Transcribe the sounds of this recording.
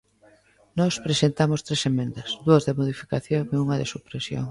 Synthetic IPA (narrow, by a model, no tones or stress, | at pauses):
nɔspɾesent̪amost̪ɾesemẽnd̪ɐsðuɐzðɪmoðifi̥kaθjoŋeuŋɐðḛsupɾesjo̰ŋ